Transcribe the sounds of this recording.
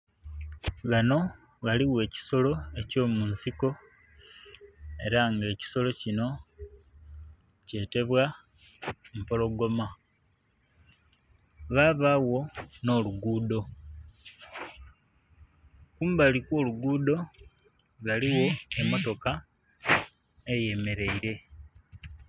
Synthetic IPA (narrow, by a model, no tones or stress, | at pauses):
ɣano̞ | ɣaliwe̞ːci̥so̞lo̞e̞co̞ːmuːnsiko̞ | e̞ɾaŋɡe̞ːci̥so̞lo̞cino̞ | ce̞ːte̞βwa | mpo̞lo̞ɡo̞ma | βaβawo̞no̞ːluɡuːdo̞ | kuːmbalikwo̞ːluɡuːdo̞ | βaliwo̞e̞mo̞to̞ka | eje̞me̞ɾe̞iɾe̞